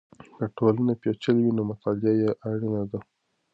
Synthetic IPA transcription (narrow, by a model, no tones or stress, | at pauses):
kəʈolanapjet͡ʃəlwinomʊt̪ɑlɪajeʔaɽinad̪a